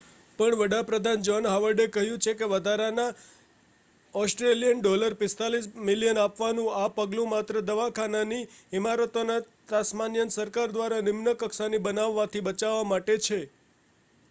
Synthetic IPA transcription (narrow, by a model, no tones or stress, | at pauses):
pəɳʋəɽapɾəd̪ʱand͡ʒɔnɦaʋəɾɖekəɦjũt͡ʃʰekeʋəd̪ʱaɾana | ɔsʈɾelijənɖoləɾpɪst̪alismɪlijənapʋanũapəɡlũmat̪ɾəd̪əʋakʰananiɪmaɾət̪ona | t̪asmanjənsəɾkaɾd̪ʋaɾanɪmnəkəksanibənaʋːat̪ʰibət͡ʃaʋːamaʈet͡ʃʰe